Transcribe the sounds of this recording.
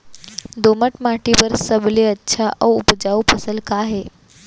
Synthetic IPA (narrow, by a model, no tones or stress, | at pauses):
d̪oməʈmaʈʰibəɾsəbliətːʃʰaʔəupd͡ʒaupʰəsəlkaɦe